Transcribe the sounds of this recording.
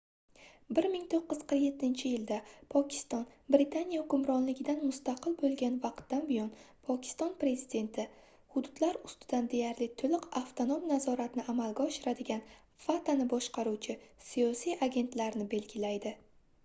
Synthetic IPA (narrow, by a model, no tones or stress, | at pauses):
bɪɾmɪŋt̪ʰoqːɨz̥qʰɨɾje̞t̪ʰːɪnt͡ʃʰɪjɪld̪apʰɒkʲʰɪ̥st̪ɒnbɾɪt̪ʰanijaʊkʊmɾɒnlɪɡʲɪd̪anmʊst̪aqʰɨlˠbolˠɡʲanvɑqt̪ːanbɪjɒn | pʰɒkʲʰɪ̥st̪ɒnpɾe̞zɪd̪e̞nt̪ʰɪ | hʊd̪ʊd̪laɾʊst̪ɪd̪and̪e̞jaɾlɪt̪ʰʊlɪqaft̪ʰonomnazɒɾat̪nɪʔamalɡʲaɒʃɪɾad̪ɪɡʲan | fat̪ʰanɪbɒʃqʰɑɾut͡ʃʰɪsijɒsijʔaɡʲe̞nt̪laɾnɪbe̞lɡʲɪlajd̪ɪ